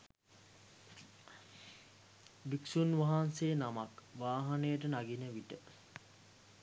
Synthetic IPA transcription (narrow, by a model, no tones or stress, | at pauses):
biksunʋaɦansejnamakʋaːɦanejəʈənaɡinəʋiʈə